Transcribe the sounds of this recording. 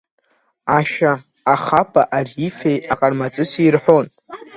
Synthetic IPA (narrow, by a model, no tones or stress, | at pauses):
aʃᶣa | aχapʼaʔarife̞jaqʼarmat͡sʼɨsirħʷon